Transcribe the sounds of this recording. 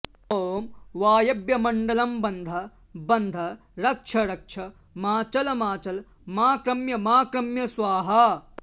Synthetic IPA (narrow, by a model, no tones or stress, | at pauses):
oːmʋaːjɐbjɐmɐɳɖɐlɐmbɐnd̪ʱɐ | bɐnd̪ʱɐ | ɾɐkʂʰɐɾɐkʂʰɐ | maːt͡ʃɐlɐmaːt͡ʃɐl | maːkɾɐmjɐmaːkɾɐmjɐsʋaːɦɐ